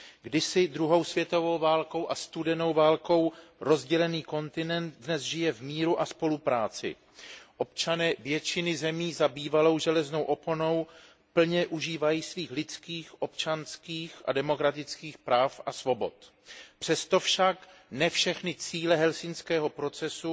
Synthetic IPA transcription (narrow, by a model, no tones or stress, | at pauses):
ɡdɪsɪd̪ɾuɦo̞wsvjɛt̪o̞vo̞wvaːlko̞wʔast̪udɛno̞wvaːlko̞wɾo̞zɟɛlɛniːko̞nt̪ɪnɛnt̪dnɛzʒɪjɛvmiːɾuʔaspo̞lupɾaːt͡sɪ̰ | ʔo̞pt͡ʃanɛːvjɛt͡ʃɪnɪzɛmiːzabiːvalo̞wʒɛlɛzno̞wʔo̞pono̞w | pl̩ɲɛʔuʒiːvajiːsviːxlɪt͡skiːxʔo̞pt͡ʃanskiːxʔa̰dɛmo̞kɾat̪ɪt͡skiːxpɾaːfʔasvo̞bo̞̰t̪ | pr̥ɛst̪o̞fʃaknɛfʃɛxnɪt͡siːlɛɦɛlsɪnskɛːɦopɾo̞t͡sɛsu